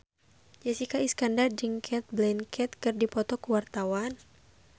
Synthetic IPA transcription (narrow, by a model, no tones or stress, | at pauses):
d͡ʒɛsikaiskandard͡ʒiŋkʰɛt̪̚blɛnkʰɛt̪kɨrdipɔt̪ɔkuwart̪awan